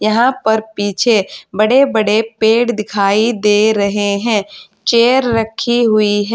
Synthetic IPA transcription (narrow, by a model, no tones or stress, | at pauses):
jɐɦãpɐɾpiːt͡ʃʰebɐɽebɐɽepeːɽd̪ɪkʰaːid̪eːɾɐɦeɦɛ̃ː | t͡ʃeːəɾɾɐkʰiɦʊiɦɛ̃